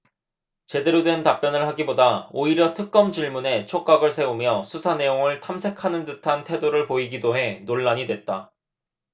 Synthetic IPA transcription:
t͡ɕe̞de̞ɾodwe̞ntap͈jʌnɯɭhaɡibodaoiɾjʌtʰɯk̚k͈ʌmt͡ɕiɭmune̞t͡ɕʰok͈aɡɯɭsʰe̞umjʌsʰusʰane̞joŋɯɭtʰamsʰe̞kʰanɯndɯtʰantʰe̞doɾɯɭpoiɡidoɦe̞noɭːaɲidwe̞t̚t͈a

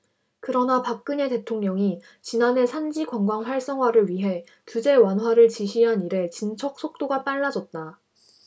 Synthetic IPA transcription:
kɯɾʌnapak̚k͈ɯɲe̞te̞tʰoŋɲʌŋi | t͡ɕinane̞sʰand͡ʑiɡwaŋɡwaŋsʰwaɭs͈ʌŋwaɾɯɭɥiɦe̞ | tud͡ʑe̞wanɦwaɾɯɭt͡ɕiɕʰiɦaniɾe̞t͡ɕint͡ɕʰʌk̚s͈ʰok̚t͈oɡap͈aɭːad͡ʑʌt̚t͈a

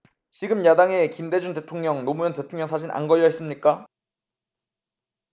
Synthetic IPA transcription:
t͡ɕiɡɯmjadaŋe̞kimde̞d͡ʑunde̞tʰoŋɲʌŋnomujʌnte̞tʰoŋɲjʌŋsʰad͡ʑʰina̰nɡʌʎjʌis͈ɯmɲik͈a

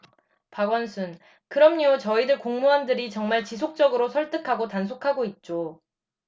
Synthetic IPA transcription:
paɡwʌnsʰun | kɯɾʌmɲot͡ɕʌidɯɭkoŋmuandɯɾit͡ɕʌŋmaɭt͡ɕisʰok̚t͡ɕ͈ʌɡɯɾosʰʌɭt͈ɯkʰaɡotansʰokʰaɡoit̚t͡ɕ͈o

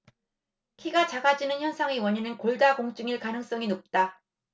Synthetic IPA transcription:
kʰiɡat͡ɕaɡad͡ʑinɯnçjʌnsʰaŋewʌɲinɯnkoɭdaɡoŋt͡ɕ͈ɯŋiɭkanɯŋs͈ʌŋinop̚t͈a

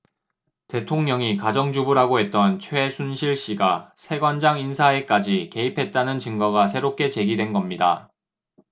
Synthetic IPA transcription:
te̞tʰoŋɲʌŋikad͡ʑʌŋd͡ʑubuɾɦaɡoɦe̞t̚t͈ʌnt͡ɕʰwe̞sʰunɕʰiɭɕ͈iɡasʰe̞ɡwand͡ʑaŋinsʰae̞k͈ad͡ʑike̞ipʰe̞t̚t͈anɯnt͡ɕɯŋɡʌɡasʰe̞ɾop̚k͈e̞t͡ɕe̞ɡidwe̞nɡʌmɲida̰

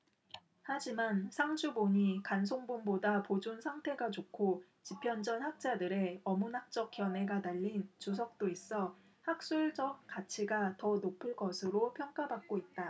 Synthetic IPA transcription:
had͡ʑimansʰaŋd͡ʑʰuboɲikans̬ʰoŋbunbodapod͡ʑunsʰaŋtʰe̞ɡat͡ɕokʰo | t͡ɕipʰjʌnd͡ʑʌnhak̚t͡ɕ͈adɯɾe̞ʌmunɦak̚t͡ɕ͈ʌk̚k͈jʌnɦe̞ɡanaʎːint͡ɕus̬ʰʌk̚t͈ois͈ʌ | hak̚s͈uɭd͡ʑʌk̚k͈at͡ɕʰiɡatʌnopʰɯɭk͈ʌsʰɯɾopʰjʌŋk͈abak̚k͈oit̚t͈a

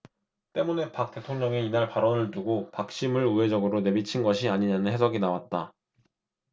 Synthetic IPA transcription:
t͈e̞mune̞pak̚t͈e̞tʰoŋɲʌŋeinaɭpaɾʌnɯɭtuɡopak̚ɕ͈imɯɭɯe̞d͡ʑʌɡɯɾone̞bit͡ɕʰinɡʌɕʰiaɲiɲanɯnhe̞sʰʌɡinawat̚t͈a

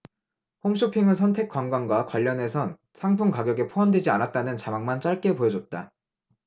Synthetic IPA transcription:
ɸoŋɕʰopʰiŋɯɭs̬ʰʌntʰe̞k͈waŋɡwanɡwakwaʎːʌne̞sʰʌn | sʰaŋpʰuŋkaɡjʌɡe̞pʰoandwe̞d͡ʑianat̚t͈anɯnt͡ɕamaŋmant͡ɕ͈aɭk͈e̞pojʌd͡ʑʌt̚t͈a

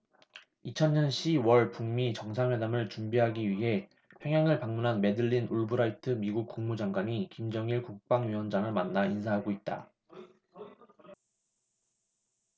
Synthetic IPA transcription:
it͡ɕʰʌnɲʌnɕʰiwʌɭpuŋmit͡ɕʌŋsʰaŋhwe̞damɯɭt͡ɕumbiɦaɡiɥiɦe̞ | pʰjʌŋɦjaŋɯɭpaŋmunɦanme̞dɯʎːinʔuɭbɯɾaitʰɯmiɡuk̚k͈uŋmud͡ʑaŋɡwaɲikimd͡ʑʌŋiɭkuk̚p͈aŋɥiwʌnd͡ʑaŋɯɭmanːainsʰaɦaɡoit̚t͈a̰

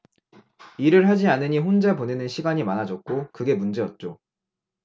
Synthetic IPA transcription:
iɾɯɭɦad͡ʑianɯɲiɸond͡ʑaponenɯnɕʰiɡaɲimanad͡ʑʌk̚k͈okɯɡe̞mund͡ʑe̞jʌt̚t͡ɕ͈o

